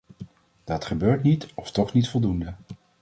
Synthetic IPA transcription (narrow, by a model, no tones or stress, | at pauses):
d̥ɑtχəbøːɹtnitɔftɔχnitfɔlˠdundə